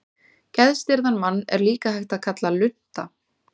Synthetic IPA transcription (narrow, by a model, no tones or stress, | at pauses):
cɛðst̪ɪɾðanmanːɛ̰ɾliːkahajxt̪aðkʰat̪lalʏn̥t̪a